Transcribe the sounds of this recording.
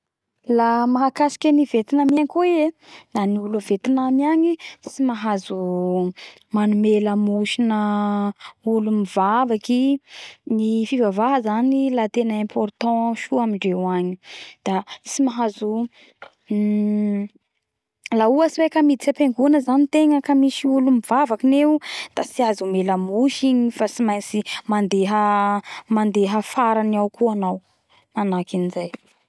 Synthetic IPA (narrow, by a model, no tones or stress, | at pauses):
lamaɦakasi̥kʲənivet̪inamaɲkuienlaniulavet̪inamiaɲisimaɦazu | manumeləmuʃinə | ulumiv̥avaki | nifivavaɦəzanilat̪enəɛ̃mpʰɔrt̪ɑ̃ʃuamiɳɖ͡ʐewaɲid̪̥at͡simaɦazu | lauasiwekamid̪it͡sapeŋɡunəzanit̪eŋəkamiʃiulumiv̥avakineud̪̥asiazumelamuʃiɲifasimajnsimand̪eɦə | mand̪eɦəfaɾaniawkuanaw | manakinizaj